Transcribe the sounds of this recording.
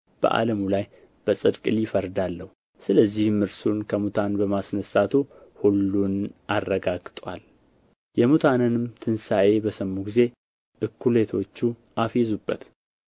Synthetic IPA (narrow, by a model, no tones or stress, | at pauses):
b̥ə̰ʔa̰ləmulaj | b̥əsʼɨd̪kʼɨlɪfəɾd̪alːəhu | sɨləzːihmːɨɾsunkʰəmut̪ʰanbəmasnəsat̪ʰuhulːunʔarːəɡaɡt̪ʼwa̰l | jɛmut̪ʰanɨnɨmt̪ʰɨnsaʔe̞bəsəmːuɡize̞ | ʔɨkːule̞t̪ʰo̞t͡ʃːuʔafezubːət̪